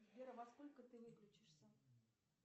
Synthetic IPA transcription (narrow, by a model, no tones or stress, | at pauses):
vʲeɾəvɐsko̞lʲkət̪ɨvɨklʲʉt͡ɕɪʂsʲə